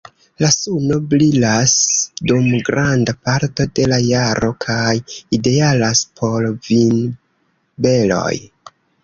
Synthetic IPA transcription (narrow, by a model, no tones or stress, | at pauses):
lasuno̞blilasdumɡɾandapaɾto̞de̞lajaɾo̞kʰajide̞alaspʰo̞lvin | be̞lo̞̰j